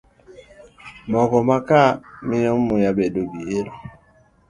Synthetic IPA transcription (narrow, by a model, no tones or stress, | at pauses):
mɔkɔmakaminɔmujabedobieɾo